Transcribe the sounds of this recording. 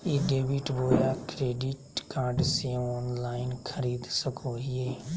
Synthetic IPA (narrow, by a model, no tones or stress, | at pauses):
eːɖeːʋɪʈboːjaːkɾeːɖɪʈkaːɾɖsẽɔːnlaːɪnkʰəɾiːd̪səkʰoːɦɪeː